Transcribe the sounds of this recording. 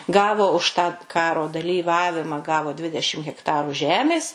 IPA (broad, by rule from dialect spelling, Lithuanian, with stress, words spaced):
ˈɡɑːʋoː ʊʃ tɑː ˈkɑːroː dɐlʲiːˈʋɑːʋʲɪmɑː ˈɡɑːʋoː ˈdʲʋʲɪdʲɛʃʲɪm ɣʲɛkˈtɑːruː ˈʒʲæːmʲeːs